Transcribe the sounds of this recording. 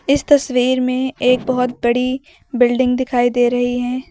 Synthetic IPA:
ɪst̪ɐswiːɾmẽeːk̚bɐɦʊt̪bɐɽi | bɪlɖɪ̃ŋɡd̪ɪkʰaːid̪eːɾɐɦiɦɛː

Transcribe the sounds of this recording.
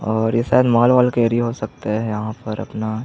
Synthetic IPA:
ɔːɾjeʃaːɦd̪maːlʋaːlkeːɾiɦosɐk̚t̪aɦɛɛjɐɦãpɐɾɐ̰pna

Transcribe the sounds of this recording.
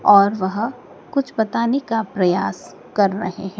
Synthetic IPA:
ɔːɾʋɐɦ | kʊt͡ʃʰbɐt̪aːnekapɾɐjaːs | kɐɾːɐɦḛɦɛ̃ː

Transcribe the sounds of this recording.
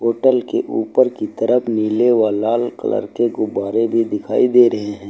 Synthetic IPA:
ɦoːʈəlkḛʔuːpəɾkit̪əɾəpʰnileʋalaːlkə̰lə̰ɾkeɡʊbaːɾebʱid̪ɪkʰaːid̪eːɾɐɦeɦɛ̃ː

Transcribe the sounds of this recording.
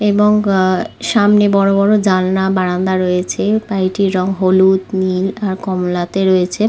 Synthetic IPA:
eboŋʃamnebɔɽobɔɾod͡ʑalnabaɽand̪aɾojet͡ɕʰepajʈiɾɔŋɦolut̪nilaɾkɔmlat̪eɾojet͡ɕʰe

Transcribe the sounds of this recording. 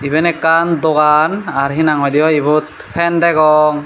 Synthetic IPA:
ibɛnɛkandɔɡanaɹɦinaŋɔdijɔibut̪̚ | pʰɛndɛɡɔŋ

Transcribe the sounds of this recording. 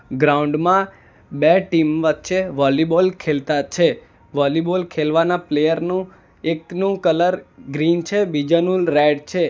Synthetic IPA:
ɡɾauɳɖmã | beʈimʋət̪ːʃeʋɔlibolkʰelt̪at͡ʃʰe | ʋɔlibolkʰelʋanaplejəɾnũ | eknũkələɾɡɾint͡ʃʰebid͡ʒanulɾeɖt͡ʃʰe

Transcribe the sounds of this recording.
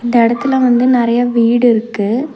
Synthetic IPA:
ɪnd̪ɐɪɽɐt̪ːɯlɐ̃ʋɐnd̪ɯnɪɾɐjɐʋiːɽɯɪɾɯkːɯ

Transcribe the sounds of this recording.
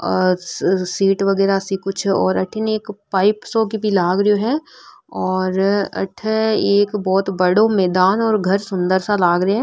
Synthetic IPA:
siːʈʋɐɡɛːɾasikʊt͡ʃʰɔ̰ːɾɐʈʰɪneːkpaːɪpsokibʱilaːɡɾoɦɛː | ɔːɾɐ̰ʈʰeːkbɔːt̪bɐɽõmɛːd̪aːnɔːɾɡʱɐɾsʊ̃nd̪əɾsalaːɡɾɐɦɛ

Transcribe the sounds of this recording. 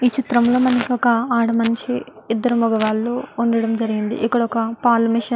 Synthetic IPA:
iːt͡ʃit̪ɾɐmloːmɐnkɔkɐaːɽɐmɐnt͡ʃiːd̪ːɐɾumɔɡɐʋaːlːoːunɖɐɽɐmd͡ʒɐɾiɡind̪ḭʔikːɐɽɐɔkɐpaːlmiʃɐ

